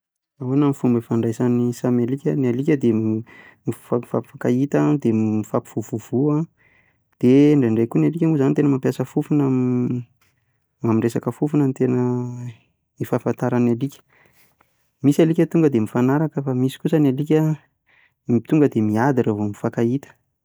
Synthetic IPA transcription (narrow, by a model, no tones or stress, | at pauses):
aonamifumbəfaɳɖ͡ʐajsanisamalikʲənalikʲəd̪e | miafa̰pi̥fakait̪əd̪emifapi̥v̥uvuvua | d̪̥eɳɖ͡ʐeɳɖ͡ʐejkunalikʲəmuzanit̪enəmampjasəfufunam | mamiɳɖ͡ʐesakəfufunənt̪enə | ifafant̪aɾanalikʲə̥ | misalikʲət̪uŋɡəd̪emifanaɾakəfamisi̥kusənalik̬ʲə | it̪uŋɡəd̪emiad̪iravomifakait̪ə̥